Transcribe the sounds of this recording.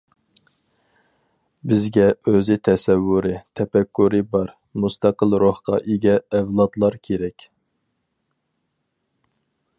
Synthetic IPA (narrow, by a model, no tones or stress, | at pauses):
bɪzɡʲɛøzɪt̪ʰɛsɛwːuɾɪt̪ʰɛpɛkʲːuɾɪbɑɾ | must̪ɑqəlˠɾohqʰɑ̰ʔeɡʲɛːvlˠɑt̪lˠɑɾkʲʰeɾɛkʲ